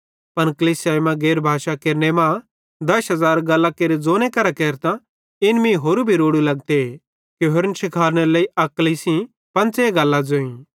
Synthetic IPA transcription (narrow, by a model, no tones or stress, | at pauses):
pɐnkɐliːsjaːjmãɡeːɾbʱaːʃakeːɾnemã | d̪ɐsɦɐzaːɾɡɐlːakeːɾed͡zoːnekɐɾakeːɾt̪ã | ɪnmĩɦoːɾubʱiɾoːɽulɐɡ̚t̪e | kiɦoɾnʃɪkʰaːɾneleiʔɐkəlisĩ | pɐ̃nt͡seɡɐlːad͡zoːĩ